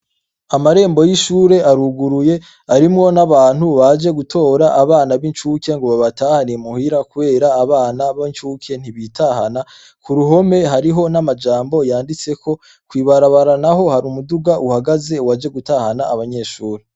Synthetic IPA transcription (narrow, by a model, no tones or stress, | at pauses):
amaɾe̞ːmbo̞jiʃuːɾe̞ʔaɾuɡuɾuje̞ | aɾimŋo̞naβaːn̥huβad͡ʒe̞ɡutʰo̞ːɾaʔːβaːnaβint͡ʃuːke̞ŋɡoβaβataːhanijemuhiɾakuβe̞ːɾaːβaːnaβint͡ʃuːkʰe̞n̥iβitʰahana | kuɾuɦo̞me̞ɦaɾiɦo̞namad͡ʒaːmbo̞jaːndit͡se̞kʰo̞ | kwiːβaɾaβaɾanaɦo̞haɾumuduɡaʔuhaɡaze̞wad͡ʒe̞ɡutahanaːβaɲe̞ʃuːɾe